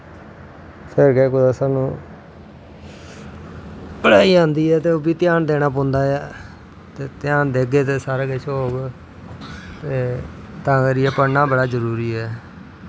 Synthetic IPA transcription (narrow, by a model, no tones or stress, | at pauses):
pʰɪɾɡɛːkʊd̪aːsaːnũː | pəɽaːiːãːnd̪iːɛːt̪eːoːbiːt̪ɪjaːnd̪eːnaːp̬õːnd̪aːja | t̪eːt̪ɪjaːnd̪eːɡeːt̪eːsaːɾaːkɪt͡ʃʰɦoːɡ | t̪eː | t̪ãːkəɾɪɛːpənaːbəɽaːd͡ʒəɾuːɾiːɛː